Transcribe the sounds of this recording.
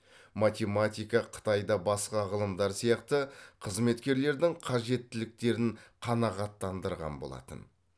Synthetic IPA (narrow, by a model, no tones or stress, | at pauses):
mat̪ʲe̞mat̪ʲijkɑqʰə̥t̪ɑjd̪ɑbɑsqɑʁəlˠəmd̪ɑɾsijɑqt̪əqʰəzme̞t̪kʲe̞ɾle̞ɾd̪ɪŋqʰɑʒe̞t̪ːɪlɪk̚t̪e̞ɾɪɴqʰɑnɑʁɑt̪ːɑnd̪əɾʁɑ̰nbo̞lˠɑ̰t̪ə̰n